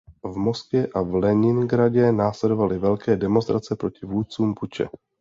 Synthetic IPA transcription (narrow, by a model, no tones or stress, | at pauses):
vmo̞skvjɛʔavlɛɲɪnɡɾaɟɛnaːslɛdo̞valɪvɛlkɛːdɛmo̞nst̪ɾʔat͡sɛpɾo̞cɪvuːt̪̚t͡suːmput͡ʃɛ̰